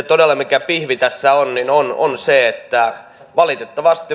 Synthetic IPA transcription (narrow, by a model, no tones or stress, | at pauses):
et̪odelːɑmikæpihʋit̪æsːæonninono̰nseet̪ːæ | ʋɑlit̪et̪ːɑʋɑst̪i